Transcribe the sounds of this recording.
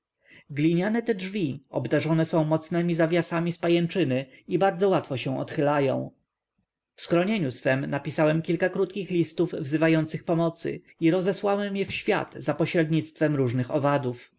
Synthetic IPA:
ɡlʲiɲanɛt̪ɛdʐvʲiɔbd̪aʐɔnɛsɔ̃w̃mɔt̪snɛmʲizavʲjasamʲispajɛnt͡ʂɘnɘibaɾd̪zɔwat̪fɔɕɛ̃w̃ʔɔ̰t̪xɘlajɔ̰̃w̃ | fsxɾɔɲeɲusfɛmnapʲisawɛmkʲilkakɾut̪kʲixlʲist̪uvvzɘvajɔnt̪sɘxpɔmɔt̪sɘ̰ | iɾɔzɛswawɛmjɛfɕfʲja̰d̪̥zapɔɕɾɛd̪ɲit̪st̪fɛmɾuʐnɘxɔvad̪uf

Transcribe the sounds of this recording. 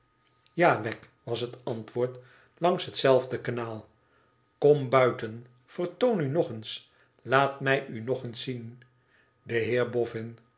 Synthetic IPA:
jaːʋɛk | ʋɑsɦətɑntʋʊːɹt | lɑŋsɦətsɛlˠvdəkanaːlˠ | kɔmbœɥtən | fərtownynɔχəns | laːtmɛjynɔχənsːin | dəɦɪːɹbɔfɪn

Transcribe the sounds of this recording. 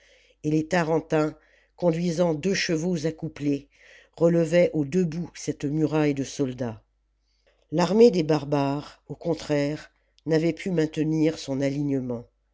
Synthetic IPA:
elet̪aʁɑ̃t̪ɛ̃ | kɔ̃d̪ɥizɑ̃d̪øʃəvozakuple | ʁələvɛʔod̪əbusɛt̪myʁajd̪əsɔld̪a | laʁmed̪ebaʁbaʁokɔ̃t̪χɛʁ | navɛpʰymɛ̃t̪əniʁsɔ̃naliɲəmɑ̃

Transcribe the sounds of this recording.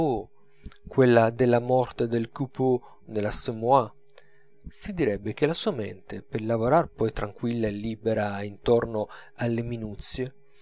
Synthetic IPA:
o | kwelːad̪elːamɔrt̪ed̪elkupu | nelasəmua | sid̪iɾɛbːek̟elasuamḛnt̪epelavoɾarpɔjt̪ɾaŋkwilːaelːibeɾaint̪ɔrnoalːeminut̪sːje

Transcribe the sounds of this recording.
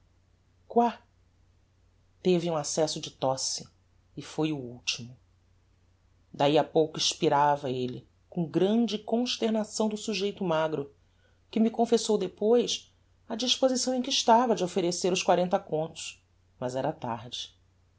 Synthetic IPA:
kwa | t̪evɪũasɛsʊd͡ʒɪt̪ɔsɪː | fojʊuwt͡ʃimʊ | d̪aiapowkʊiʃpiɾavɐelɪ | kõɡɾɐ̃d͡ʒɪkõʃt̪eɾnasɐ̃w̃d̪ʊsuʒejt̪ʊmaɡɾʊ | kɪmikõfesowd̪epojs | ɐd͡ʒiʃpozisɐ̃w̃ẽkɪiʃt̪avɐd͡ʒɪofeɾeseɾʊskwaɾẽnt̪ɐkõnt̪ʊ̥ʃ | mɐzɛɾɐt̪a̰ɾd͡ʒɪ

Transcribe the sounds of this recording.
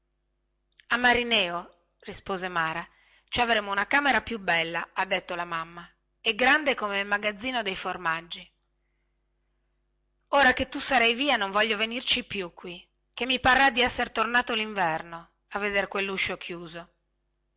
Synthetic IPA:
amːaɾinɛːo | rispoːzemaːɾa | t͡ʃavɾeːmounakaːmeɾapjubɛlːaad̪ːet̪ːolamamːa | eɡɾand̪ekomelmaɡad̪zːiːnod̪ejformad͡ʒːi | oːɾaket̪ːusaɾɛjviːanoɱvɔʎːovenirt͡ʃipːjukːwi | k̟emːiparːad̪ːiɛsːeɾt̪ornaːt̪oliɱvɛrno | avːed̪eɾkwelːuʃːokʰjuːzo

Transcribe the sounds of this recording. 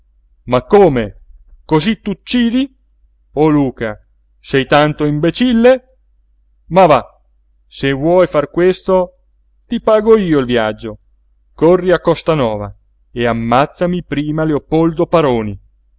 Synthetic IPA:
makːoːmekozit̪ːut͡ʃːiːd̪i | oluːka | sɛjt̪ant̪oimbet͡ʃilːe | mava | sevːwɔjfarkwest̪o | t̪ipaːɡoiːoilvjad͡ʒːo | korːiakːɔst̪anɔːva̰ | eamːat̪sːamipɾiːmaleopːold̪opaɾoːni

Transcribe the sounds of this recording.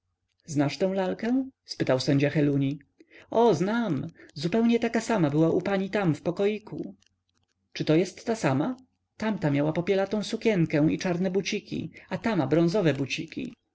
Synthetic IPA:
znaʂt̪ɛ̃w̃lalkɛ̃spɘt̪awsɛɲd͡ʑaxɛluɲi | ɔznamzupɛwɲɛt̪akasamabɘwaʔupaɲit̪amfpɔkɔjikʰṵ | t͡ʂɘt̪ɔjɛst̪ːasama | t̪amt̪amʲjawapɔpʲjɛlat̪ɔ̃w̃sukʲɛnkɛ̃it͡ʂaɾnɛbut͡ɕikʲḭat̪amabɾɔ̃ñzɔvɛbut͡ɕikʲḭ

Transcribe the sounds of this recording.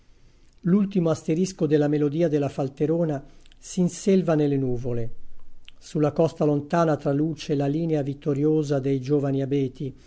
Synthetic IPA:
lult̪imoast̪eɾiskod̪elamelod̪iːad̪elːafalt̪eɾoːna | sinselvanelːenuːvole | sulːakɔst̪alont̪aːnat̪ɾaluːt͡ʃelaliːneavit̪ːoɾjoːzad̪ejd͡ʒoːvaniabɛːt̪i

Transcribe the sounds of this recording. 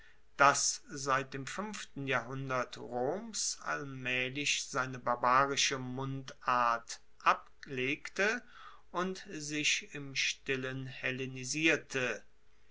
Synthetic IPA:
d̥aszaɪt̚d̥eːmfʏmftn̩jaːɦʊndɐtʁoːmsa̰lmɛːlɪçz̥aɪnəbaɐbaːʁɪʃəmʊntaɐt | ʔap | leːktə | ʔʊntzɪʃɪmʃtɪlənhɛleniziːɐtʰə

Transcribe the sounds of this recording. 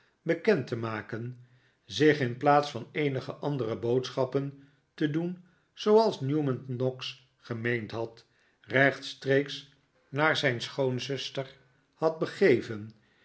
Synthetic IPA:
bəkɛntəmaːkən | zɪχɪnplaːtsfɑnejnəχəʔɑndərəbowtsχɑpən | tədun | z̥owɑlˠsnjumənnɔks | χəmejntɦɑt | rɛχtstrejks | naːɹzɛjnsχownzɵstər | hɑd̚bəχejvən

